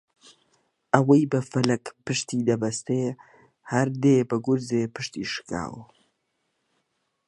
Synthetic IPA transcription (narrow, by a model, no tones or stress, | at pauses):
ʔɐwɐjbəfɐlɐkpɨʃt̪iːd̪ɐbɐst̪e | hɐɾd̪eːbəɡʊɾzeːpɨʃt̪iʃɨ̥ka̰ːw